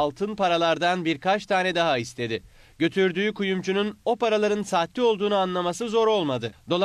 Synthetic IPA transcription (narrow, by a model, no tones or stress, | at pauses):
lˠt̪ʰɯnpaɾalˠaɾd̪anbiɾkat͡ʃt̪ʰaːnɛd̪aɦaist̪ʰe̞d̪ɪ | ɟ̥ø̞t̪ʰyɾd̪yːkujumt͡ʃʰununo̞paɾalˠaɾɯnsaːt̪lʲio̞lˠd̪uːnuanlˠamasɯzo̞ɾo̞lˠmad̪ɯd̪o̞lˠ